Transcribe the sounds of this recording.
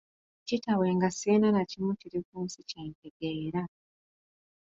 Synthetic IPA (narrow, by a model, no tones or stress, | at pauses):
citawe̞ːŋɡasiːnanacimuciɾikuːnsiceːnkeɡeːɾa